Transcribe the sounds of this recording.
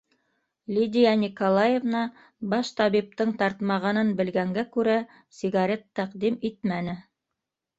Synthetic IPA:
lʲid̪ʲijanʲikolˠajevnɑ | bɑʃt̪ɑβip̚t̪ɤɴt̪ɑɾt̪mɑʁɑnɤnbɘ̆lɡæŋɡækʉɾæ | sʲɪɡaɾʲet̪ːæqd̪imit̪̚mænɘ

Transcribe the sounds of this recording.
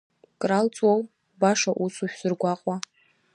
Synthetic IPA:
kʼralt͡sʼwaw | baʂaʔusuʃᶣsɨrɡʷaqʼa

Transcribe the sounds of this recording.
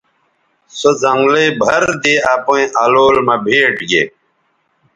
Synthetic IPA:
sozɐŋɡlebʱɐɾd̪eːaːpõĩʔaloːlmɐbʱeːʈɡeː

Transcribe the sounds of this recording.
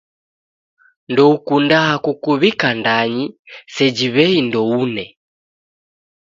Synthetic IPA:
ndɔukundaɦakukuβikandaɲisɛd͡ʒiβɛindɔunɛ

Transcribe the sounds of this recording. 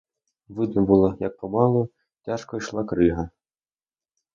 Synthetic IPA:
ʋɪd̪nɔbʊlˠɔjɐk̚pɔmɑlˠɔ | tʲaʃkɔjʃlˠɑkɾɪɦɐ

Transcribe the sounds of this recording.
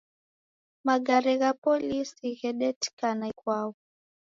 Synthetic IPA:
maɡaɾɛɣapɔlisiɣɛɗɛtkanaikwawɔ

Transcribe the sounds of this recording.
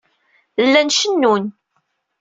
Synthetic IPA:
lːænʃənːun

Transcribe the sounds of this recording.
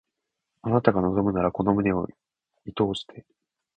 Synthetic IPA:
anat̪aɡano̞zo̞mɯ̟naɾako̞no̞mɯ̟neo̞̰ | it̪o̞ːɕi̥t̪ʰe̞

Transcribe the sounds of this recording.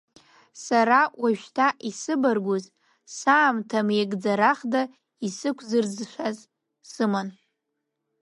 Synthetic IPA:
saɾawʔaʒᶣtʰaʔisɨbarɡʷuz | saːmtʰameɡʼd͡zaɾaχda | isɨkʷʰzɨrd͡zʃʷaz | sɨman

